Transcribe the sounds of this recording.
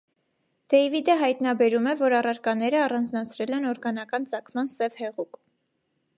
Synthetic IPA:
d̪̥ɛjvid̪əɦɑjt̪nɑbɛɾumɛvɔɾɑrɑɾkɑnɛɾəɑrɑnd͡znɑt͡sʰɾɛlɛnɔɾɡɑn̪ɑkɑnt͡sɑkʰmɑnsɛvhɛʁuk

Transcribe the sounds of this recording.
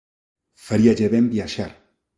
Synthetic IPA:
faɾiaʒeβembiaʃaɾ

